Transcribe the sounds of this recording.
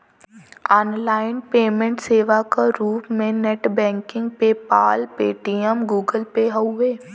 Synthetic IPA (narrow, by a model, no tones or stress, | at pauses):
ɔːnlaːɪnpeːmə̃ɳʈseːʋakaɾuːpmẽnɛʈbɛ̃ːŋkɪ̃ŋɡpepa̰ːlpeːʈijəmɡuːɡəlpeɦɐʊeː